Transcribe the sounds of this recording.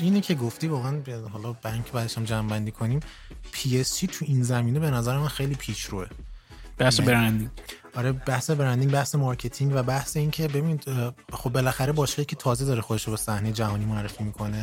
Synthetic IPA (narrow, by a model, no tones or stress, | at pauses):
ʔinecʰe̞ɡoft̪iːvɒːɣeænhɒːlɒbæɾiŋcʰe̞bæːd̪eʃæmd͡ʒæmbænd̪iːkʰo̞niːm | pʰiːest͡ʃʰiːt̪ʰuʔinzæmiːnebe̞næzæɾemænxe̞jliːpʰiːʃɾue | bæhsebeɾænd̪iŋ | ɒɾebæhse̞beɾænd̪iŋɡbæhse̞mɒɾcʰe̞t̪ʰiŋɡvæbæhse̞iːncʰe̞bebiːniːd̪xobːe̞læxæɾebɒːʃkeicʰet̪ʰɒːzed̪ɒːɾexod̪eʃɾobesæhnejed͡ʒæhɒːnimoærːefimiːkʰo̞ne